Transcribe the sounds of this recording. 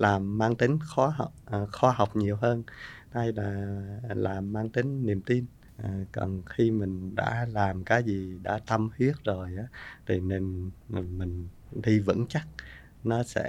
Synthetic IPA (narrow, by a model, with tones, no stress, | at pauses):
laː˨˩mːaː˧ŋt̪ï˨˦ŋ̟xɔ˨˦ɦa˨˩wk͡p̚ʔxɔ˨˦ɦa˨˩wk͡p̚ɲi˨˩əwɦəː˧nha˧jlaː˨˩laː˨˩mːaː˧ŋt̪ï˨˦ŋ̟ːi˨˩əmt̪i˧n | ʔə˨˩kɔ̰˨˩nxi˧mï˨˩ŋ̟ɗa̰ː˧˥laː˨˩mkaː˨˦jzi˨˩ɗa̰ː˧˥t̪ə˧mhwi˦˥ət̚zo˨˩jʔaː˨˦t̪ʰi˨˩ne˧n˨˩mï˨˩ŋ̟ | ɗi˧vɨ̰˧˥ŋt͡ɕa˦˥t̚ | nɔ˨˦sɛ̰˧˥